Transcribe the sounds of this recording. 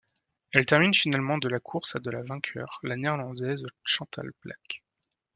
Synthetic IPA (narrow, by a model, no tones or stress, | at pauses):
ɛlt̪ɛʁminfinalmɑ̃d̪əlakʰuʁsad̪əlavɛ̃kʲʰœ̰ːʁlanɛʁlɑ̃d̪ɛzʃɑ̃t̪ʰa̰lplʔa̰k